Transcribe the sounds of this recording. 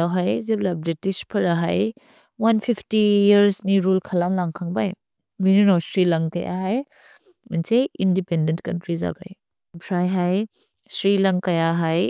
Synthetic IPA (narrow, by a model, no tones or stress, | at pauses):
awɦajzeblabɾitispʰɐɾaɦaj | wanpʰipʰtijɐɾsniɾulkʰɐlamlaŋkʰaŋbaj | mininosɾilɐŋkɐ̰ja̰ɦaj | mɐnsejindipendentkɐntɾiza̰ba̰j | bʰɾajɦaj | sɾilɐŋkɐjaɦaj